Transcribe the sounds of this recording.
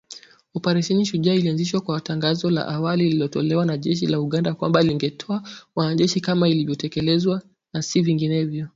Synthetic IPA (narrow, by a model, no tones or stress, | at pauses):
upaɾiʃɛniʃuʄailianziʃwakwataŋɡazɔla̰ʔawalililɔtɔlɛwanaʄɛʃ̬ilauɠandakwa̰mbaliŋɡɛtʰɔawanaʄɛʃikamailivjɔtɛkɛlɛzwa | nasiviŋɡinɛvjɔ